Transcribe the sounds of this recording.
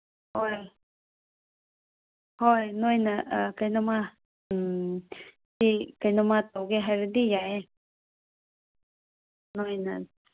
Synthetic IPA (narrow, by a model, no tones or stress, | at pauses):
hoe | hoenõĩnãakanõmã | sikanõmãt̪oɡeɦaɾid̪ijae | nõĩnã